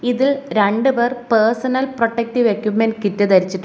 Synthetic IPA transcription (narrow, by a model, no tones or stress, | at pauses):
iðilɾeɳɖɨberpersɐnɐlproʈːek̚ʈiʋekʲːjumenkitːɨt̪ɐɾit͡ɕːiʈː